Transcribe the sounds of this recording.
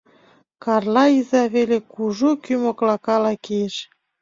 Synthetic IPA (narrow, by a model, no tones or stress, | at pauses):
kɑrlɑizɑβelekuʒokymoklɑkɑlɑkejeʃ